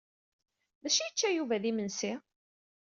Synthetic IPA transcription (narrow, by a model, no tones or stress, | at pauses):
ðæʃijət͡ʃːæjuvæðimənsi